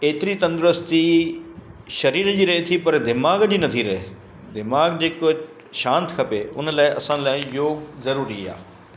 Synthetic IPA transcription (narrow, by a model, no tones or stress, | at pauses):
eːt̪ɪɾiːt̪ə̃nd̪ɾəst̪i | ʃɐɾiːɾd͡ʒiːɾɐɦet̪ʰiːpɐɾd̪ɪmaːɡd͡ʒiːnɐt̪ʰiːɾɐɦe | d̪ɪmaːɡd͡ʒeːko | ʃãːnt̪kʰɐpeːʊ̰nlaːiɐsãːlaːijoːɡzɐɾuːɾiːa̰ː